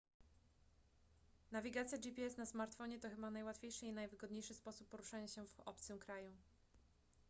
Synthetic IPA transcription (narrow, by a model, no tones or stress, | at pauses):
navʲiɡat̪sʲjad͡ʑipʲiɛsnasmaɾt̪fɔɲɛt̪ɔxɘbanajwat̪fʲjejʂɘinajvɘɡɔd̪ɲejʂɘspɔsupːɔɾuʂaɲaɕɛvɔ̰pt̪sɘmkɾaju